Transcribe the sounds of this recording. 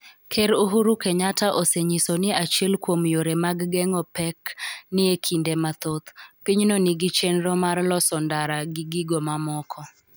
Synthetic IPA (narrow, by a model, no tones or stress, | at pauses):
kʰeɾuɦuɾukeɲataʔoseɲisonɪat͡ʃɛlkwomjoɾemaɡɡɛŋɔpɛknɪekʰindemat̪ot̪piɲnonɪɡɪt͡ʃenɾomarlɔsɔndaɾaɡɪɡiɡomamɔkʰɔ